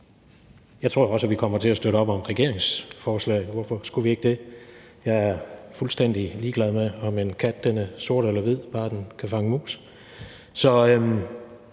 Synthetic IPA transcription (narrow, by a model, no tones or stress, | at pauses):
jɑ̈ɪt͡sʰʁo̝ɐ̰ɒ̽sæʋikʰɒ̽m̰ɐt͡sʰe̝læsd̥øɾəɒ̽b̥ɒ̽mʁɛɡ̥e̝ɐ̰eŋsfɒːslɛ̰ɪʋɔfɒsɡ̥uʋie̝ɡ̥əd̥e̝ | jɑ̈ɪæɐfulsd̥en̰d̥iliːɡ̥lɛðˠmeɒ̽me̝nkʰæd̥̚d̥enəso̝ɐ̰ɾ̥elɐʋið̰ˠb̥ɑ̈ːd̥enkʰæfɑ̈ŋəmṵːs | sɒ̽m